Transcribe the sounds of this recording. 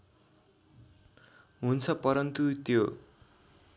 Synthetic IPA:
ɦunt͡sʰʌpʌɾʌnt̪ut̪jo

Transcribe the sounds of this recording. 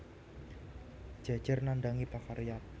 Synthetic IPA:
d͡ʒ̥a̤̥d͡ʒ̥ərnandaŋipakaɾijat̪̚

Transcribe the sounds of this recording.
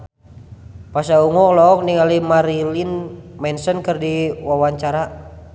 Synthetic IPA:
pasauŋɔlɔːk̚niŋalimaɾilinmɛnsənkɨrdiwawaɲt͡ʃaɾa

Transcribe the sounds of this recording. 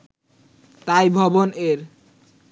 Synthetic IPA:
t̪ajbʱɔboneɾ

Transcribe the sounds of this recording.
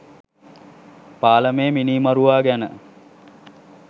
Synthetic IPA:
paːləmeːminiːmɐɾuʋaːɡænə̰

